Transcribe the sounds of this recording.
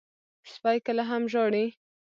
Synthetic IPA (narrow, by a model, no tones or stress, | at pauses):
spɑjkəlaɦamʒoɽi